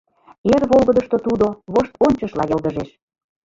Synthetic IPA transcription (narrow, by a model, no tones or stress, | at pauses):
erβolˠɣəd̪ə̆ʃt̪ot̪ud̪oβoʃt̪onʲt͡ɕəʃlɑjɤ̆ld̪əʒeʃ